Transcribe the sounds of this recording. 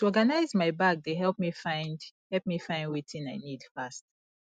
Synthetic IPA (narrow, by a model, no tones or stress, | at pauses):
tuɔɡanaɪzmaɪbak̚deɦɛlp̚mifãɪ̃ndhɛlp̚mifãɪ̃ndwitʰĩnaɪnidfast